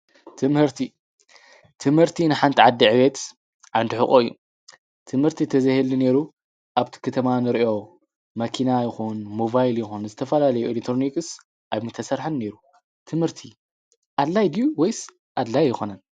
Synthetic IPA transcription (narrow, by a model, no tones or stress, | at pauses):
t̪ʰɨmhɨɾt̪ʰi | t̪ʰɨmhɨɾt̪ʰinɨħant̪ʰiʕad̪ːiʕɨβet̪ | ʕand̪iħɨkʼoɨjːṵ | t̪ʰɨmhɨɾt̪ʰit̪ʰɐzɐhelːine̞ɾu | ʔaβt̪ʰi̥kʰɨt̪ʰɐmanɨɾʔo̞ | mɐkʰinajɪxunmobajljɪxunzɨt̪ʰɐfɐlalɐjuʔelekt̪ɾonikɨs | ʔajmɨt̪ʰːɐsɐɾħanːe̞ɾu | t̪ʰɨmhɨɾt̪ʰi | ʔad̪lajd̪juwojs | ʔad̪lajːɪxonɐn